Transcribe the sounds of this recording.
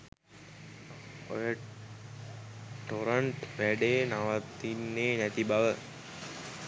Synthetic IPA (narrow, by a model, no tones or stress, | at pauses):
ojə | ʈoɾəɳʈʋæɖenaʋat̪ːinːeːnæt̪ibaʋə